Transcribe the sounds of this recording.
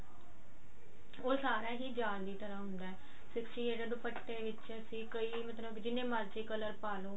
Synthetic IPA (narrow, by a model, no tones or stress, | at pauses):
oːsaːɾaːɦiːd͡ʒaːliːt̪əɾaːɦʊnd̪aːɛː | sɪksʈiːeːɖəd̪pəʈːeːʋɪt͡ʃəsĩːkəiːmət̪ləbd͡ʒɪnːẽːmaɾd͡ʒiːkələɾpaːloː